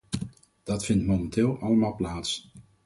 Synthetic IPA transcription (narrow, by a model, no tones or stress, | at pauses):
d̥ɑtfɪntmomɛntɪːlˠʔɑləmaːlˠplaːts